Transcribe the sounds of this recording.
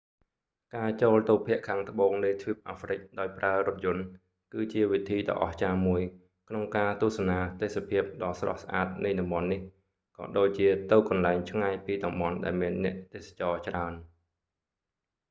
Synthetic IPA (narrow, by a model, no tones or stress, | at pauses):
kaːt͡ɕoːlt̪uwpʰiəʔkʰaːŋt̪ə̆ɓoːŋnɨjt̪ʰʋip̚ʔaːfrɨk̚ɗaɔjpraəɾʊ̆ət̪̚jʊ̆ən | kɨːt͡ɕiəʋit̪ʰiːɗɑ̰ʔɑ̰ht͡ɕaːmuəj | kʰnoŋkaːt̪ʊ̆əsanaːt̪eːsapʰiəp̚ɗɑlsrɑ̰hsʔaːt̪̚nɨjɗɑmɓɑnːih | kɑ̰ːɗoːc̚t͡ɕiət̪ɨwkɑnlaɛŋt͡ɕʰŋajpiːɗɑmɓɑnɗaɛlmiənːɛ̆əʔt̪eːsḁt͡ɕɑːt͡ɕraən